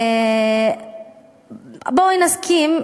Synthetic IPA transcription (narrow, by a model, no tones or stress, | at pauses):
boinaskʰim